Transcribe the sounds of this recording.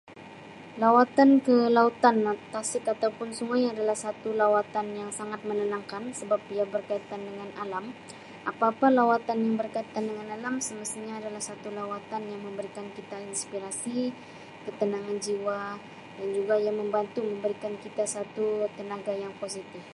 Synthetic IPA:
lawat̪ankəlaut̪ant̪asɪt̪at̪awpʊnsuŋajadalahsat̪ulawat̪anjaŋsaŋat̪̚mənənaŋkansəbap̚ijabərkait̪andəŋanalam | ʔapaːpalawat̪anjaŋbərkait̪andəŋanalamsəməst̪iɲaːdalahsat̪ulawat̪anjaŋməmbəɾikankit̪ainspiɾasi | kət̪ənaŋand͡ʒiwa | dand͡ʒuɡajaŋməmbant̪uməmbəɾikankit̪asat̪ut̪ənaɡajaŋposit̪ɪf

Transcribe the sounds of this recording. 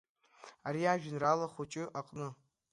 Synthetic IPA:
aɾiaʒᶣnralaχʷot͡ʃʼɪʔaqʼnɨ

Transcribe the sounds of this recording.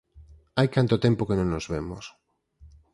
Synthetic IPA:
ajkant̪ot̪empokenõŋnozβemos

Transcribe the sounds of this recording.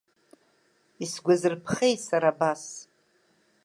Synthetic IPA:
isɡʷazɨrpʰχejsaɾaːbas

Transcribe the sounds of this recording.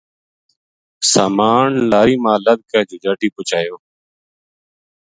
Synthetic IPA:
saːmaːɳlaːɾiːmãːləd̪̚ʱkɛːd͡ʒuːd͡ʒaːʈiːpʊt͡ʃaːjoː

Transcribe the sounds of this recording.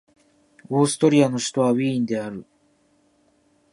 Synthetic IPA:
o̞ːsɨ̥t̪o̞ɾʲiano̞ɕi̥t̪o̞βaβĩːnd̪e̞aɾɯ̟

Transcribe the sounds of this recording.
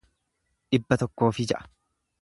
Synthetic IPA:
ᶑɪbːɐt̪ɔkːo̞ːfɪd͡ʒɐʔɐ̥

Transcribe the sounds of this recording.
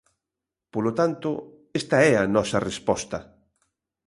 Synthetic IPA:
polot̪ant̪ʊ | est̪ɐɛɐnɔsɐrespɔst̪ɐ

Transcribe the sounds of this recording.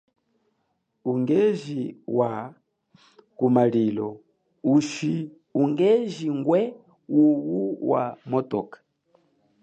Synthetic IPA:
uŋɡɛʒiwa | kumalilɔ | uʃi | uŋɡɛʒiŋɡwɛ | uwuwa̰mɔtɔkḁ

